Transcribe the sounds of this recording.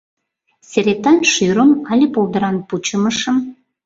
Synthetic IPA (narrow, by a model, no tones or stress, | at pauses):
sʲeɾet̪ːɑnʃyɾə̆mɑlʲepolˠd̪ə̆ɾɑnput͡ɕə̆məʃə̆m